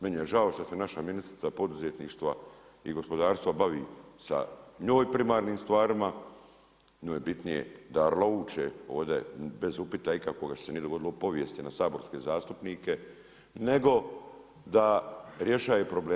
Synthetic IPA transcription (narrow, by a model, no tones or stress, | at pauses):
menije̞ʒao̞ʃt̪asenaʃaminisɾi̥t̪apo̞d̪uzet̪niːʃt̪ʋa | ḭɡo̞spo̞d̪aːɾst̪ʋabaʋiːsa̰ɲo̞ːjpɾimaːɾniːmst̪ʋaːɾima | ɲoːjebit̪nijḛd̪aɾlouːt͡ʃḛo̞̰ːʋd̪e̞̰be̞zupit̪aikakoɡaʃsenied̪o̞ɡo̞d̪ilo̞po̞ʋje̞st̪inasaːbo̞ɾskeːzaːst̪upniːke̞ | ne̞ɡo̞ | d̪aɾje̞ʃaːepɾo̞bleː